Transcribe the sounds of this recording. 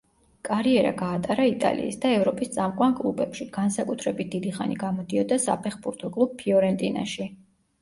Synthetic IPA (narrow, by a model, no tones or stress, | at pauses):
kʼaɾiɛɾa̰ɡaːt̪ʼaɾait̪ʼa̰lḭːsd̪aɛvɾɔpʼist̪sʼamkʼwankʼlˠubɛpʃiɡ̥ansakʼut̪ʰɾɛbit̪̚d̪̥id̪iχa̰nḭɡamɔd̪iɔd̪asa̰pʰɛχbuɾt̪ʰɔkʼlˠub̥̚pʰiɔɾɛnt̪ʼina̰ʃi